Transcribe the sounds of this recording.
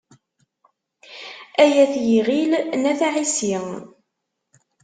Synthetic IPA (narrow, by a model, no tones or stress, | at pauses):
æjæθjiʁilnæθaʕisi